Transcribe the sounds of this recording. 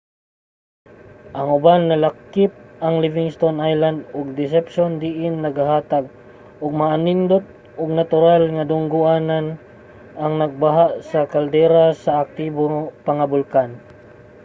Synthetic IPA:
ʔɐŋʊbanːɐlakːɪp̚ɐŋlivɪŋst̪onʔajland̪ʊɡ̚d̪ɪs̬ɛpʃond̪iʔɪnːɐɡaɦaːt̪aɡ̚ | ʊɡ̚maʔanɪnd̪ot̪̚ | ʔʊɡnat̪ʊɾalŋad̪ʊŋɡʊʔaːnan | aŋnɐɡ̚baɦaʔsɐkald̪ɛɾasaʔak̚t̪iboŋpɐŋɐbʊlkan

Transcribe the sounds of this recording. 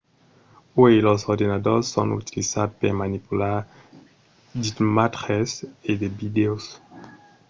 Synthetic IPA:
ojlɔsɔʁd̪enad̪oʁsːɔ̰̃nṵt̪ilizat̪peʁmanipula | dit̪mat̪ʁesed̪ebid̪eos

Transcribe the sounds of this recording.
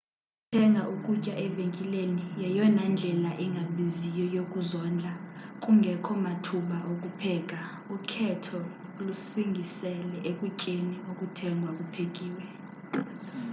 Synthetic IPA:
tʰɛŋɡʱaʔukʼucʼaʔɛveŋkʼilenijɛjɔnand͡ɮʱɛlaʔɛŋɡʱaɓizijɔjokʼuzɔnd͡ɮʱakʼuŋɡʱɛkʰɔmatʰuɓaʔokʼupʰɛːk̬ʼa | ukʰɛtʰɔ | lusiŋɡʱisɛlɛʔekʼucʼeniokʼutʰɛŋɡʱwakʼupʰekʼiːwɛ

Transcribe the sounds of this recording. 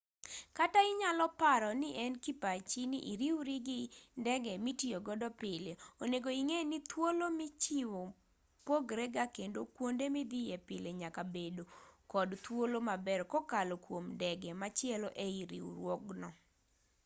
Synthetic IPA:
kataɪɲalɔpaɾɔnɪʔɛnkipat͡ʃinḭʔiɾiwɾiɡɪndɛɡɛmitioɡɔdɔpɪleoneɡoiŋenit̪wolomit͡ʃiwo | poɡɾɛɡakendokwondemid̪ɪjepɪleɲakabedokɔdt̪wolomabɛrkɔkalɔkwomdɛɡɛmat͡ʃɪɛlɔʔeiɾḭwɾwɔɡnɔ

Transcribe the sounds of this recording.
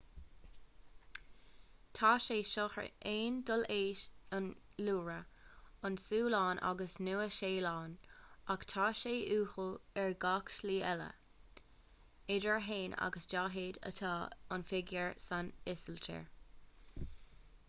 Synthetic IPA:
t̪ʰɑːʃeːʃɔxɹə̰ʔeːndəleːʃənluːɹəɑnsuːlɑːnʔa̰ɡəsnuːəʃeːlɑːnaktʰɑːʃeːʔuːxəlɛɹɡaːkʃliːɛlə̰ | ɪdəɹɦeːna̰ɡəsd͡ʒaːɦeːdə̰t̪ʰɑːənfɪɡjəɹsanɪsəltʰə̰ɹ

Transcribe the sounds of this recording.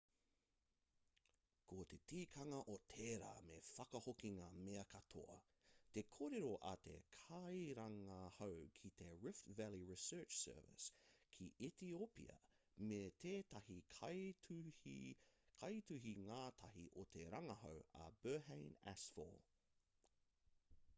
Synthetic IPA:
kʰot̪et̪ʰiːkʰɐŋɐʔot̪ʰeːɾa̰ːmefɐkɐhokiŋameɐkɐt̪ʰo̰ɐ̰ | t̪e̞kʰoːɾeɾoʔɐt̪ʰḛkʰɐjɾɐŋɐhowkʰit̪ʰeɹɪftvæliɹisɜːt͡ʃsɜ̰ːvɪ̰skʰiʔit̪iopḭɐ̰ | met̪ʰeːt̪ɐhikʰ | ikʰɐjt̪ʉɦiŋaːt̪ʰɐɦiʔot̪ʰeɾɐŋɐɦowɐ̰b̥ɜːɦẽjnæ̰sfɔ̰l

